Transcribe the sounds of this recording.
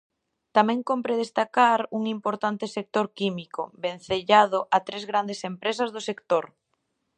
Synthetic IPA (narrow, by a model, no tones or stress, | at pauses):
t̪amɛ̃ŋkompɾeð̞est̪akaɾuŋimpoɾt̪ant̪ɪsek̚t̪oɾkimiko̰ben̟θeʎað̞ʊʔat̪ɾezɣɾand̪esempɾes̬ɐzðʊsekt̪oɾ